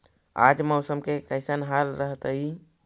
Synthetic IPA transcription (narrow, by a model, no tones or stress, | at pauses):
a̰d͡ʒməʊsəmkekəɪsənɦalɾəɦt̪əɦi